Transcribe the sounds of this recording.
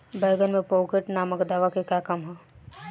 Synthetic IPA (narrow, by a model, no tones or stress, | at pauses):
bɛːɡənmẽpoːkeʈnaːməkd̪aːʋakekjaːkɐmɦɛː